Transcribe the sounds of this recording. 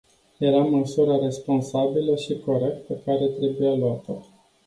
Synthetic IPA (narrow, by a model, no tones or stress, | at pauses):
je̞ɾaməsuɾaɾe̞spo̞nsabiləʃiko̞ɾe̞k̚t̪̚pekaɾe̞t̪ɾe̞bujaluat̪ə